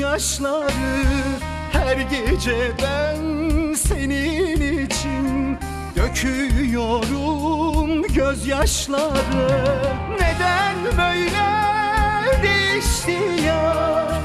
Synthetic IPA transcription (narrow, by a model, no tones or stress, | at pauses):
aʃlˠaɾɯ | hæɾɟed͡ʒɛbænse̞ninit͡ʃʰin | d̪øcʰyjoɾumɟøzjaʃlˠaɾɯ | ned̪ænbøjlɛ | d̪eiʃt̪ija